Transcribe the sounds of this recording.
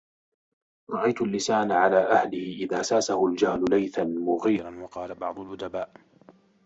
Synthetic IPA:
ɾˤɑʔajt̪ʊlːɪsaːnaʕalaːʔahlɪhɪʔɪðaːsaːsahʊld͡ʒahlʊlajθanmʊɣiːɾɑnwɑqɑːlabɑʕd̪ˤʊlʔʊd̪abaːʔ

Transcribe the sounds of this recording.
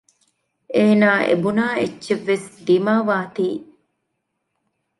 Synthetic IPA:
ʔeːnaːʔḛbunaːetːʃeʋːesd̪imaːʋaːt̪iː

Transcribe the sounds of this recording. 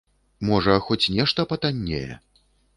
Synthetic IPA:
mɔʐɐxɔt͡sʲnʲɛʂt̪ɐpɐt̪anʲːḛjɛ̰

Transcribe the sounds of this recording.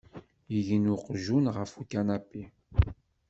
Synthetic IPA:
jəʝənuqʒunʁəfukanapːi

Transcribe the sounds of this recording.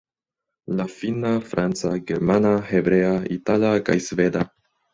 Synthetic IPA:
lafinafɾʔant͡saɡeɾmanahebɾeaitalaka̰jsveda

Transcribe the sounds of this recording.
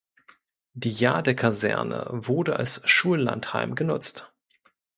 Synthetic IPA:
diːjaːdəkʰazɛ̰ɐnə̰vʊʁdəʔa̰lsʃuːlla̰nthaɪmɡənʊt͡st

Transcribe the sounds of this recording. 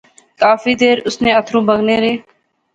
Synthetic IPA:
kaːfiːd̪eːɾʊsneːət̪ʰɾõːbəɡneːɾeː

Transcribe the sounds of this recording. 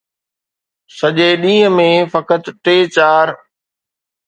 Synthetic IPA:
səʄeːɗĩːə̃mẽfəkət̪ʈeːt͡ɕaːɾ

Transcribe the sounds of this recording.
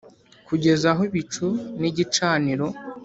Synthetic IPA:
kuɟe̞zaɦoiβit͡ʃuniɟit͡ʃaːniɾo̞

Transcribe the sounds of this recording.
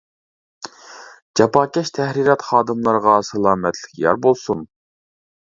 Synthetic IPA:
d͡ʒɑpɑːkʲɛʃt̪ʰɛhɾiɾɑt̪χɑːd̪ɨmlˠɑɾʁɑsɨlˠɑːmɛt̪ʰlɪ̥kʲʰjɑ̰ɾbolˠsun

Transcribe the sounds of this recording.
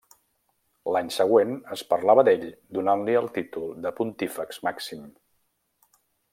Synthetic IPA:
laɲsəɣ̞wenəspəɾlaβəd̪eʎd̪unanliəlˠt̪it̪ulˠd̪əpunt̪ifəkzmaksim

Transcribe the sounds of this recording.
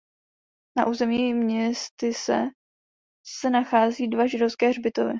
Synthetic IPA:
na̰ʔuːzɛmiːmɲɛst̪ɪsɛ̰ | sɛnaxaːziːdvaʒɪdofskɛːrbɪt̪ovɪ̰

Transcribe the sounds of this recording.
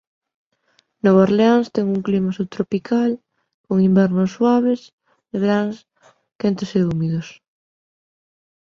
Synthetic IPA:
noβaɾleanst̪ɛŋuŋklimasut̪ɾopikʰal | koŋimbɛɾnosːwaβ̞es | eɣɾaŋs | kent̪oseumiðos

